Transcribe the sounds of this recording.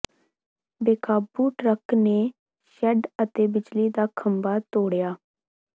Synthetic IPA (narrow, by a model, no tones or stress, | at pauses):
beːkaːbuːʈɾəkneː | ʃɛɖət̪eːbɪd͡ʒliːd̪aːkʰəmbaːt̪oːɽjaː